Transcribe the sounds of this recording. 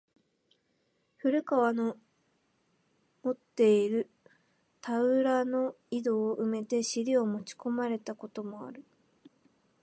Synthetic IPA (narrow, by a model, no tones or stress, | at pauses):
ɸɯ̟ɾɯ̟kaβano | mo̞t̪ːe̞iɾɯ̟ | t̪aɯ̟ɾano̞ | id̪o̞ːʔɯ̟me̞t̪e̞ɕiɾʲio̞mo̞t͡ɕi̥ko̞maɾe̞t̪ako̞t̪o̞mo̞a̰ɾɯ̟